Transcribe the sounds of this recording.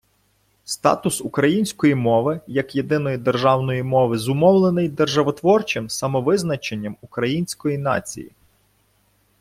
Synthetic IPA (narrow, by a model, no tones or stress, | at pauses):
st̪ɑ̰t̪ʊsʊkɾɐjinʲsʲkɔjimɔʋɪjɐkje̞d̪ɪnɔjid̪erʒɑwnɔjimɔʋɪzʊmɔwlˠenɪjd̪erʒɐʋɔt̪ʋɔrt͡ʃɪmsɐmɔʋɪznɐt͡ʃenʲːɐmukɾɐjinʲsʲkɔjinɑ̰t͡sʲḭjḭ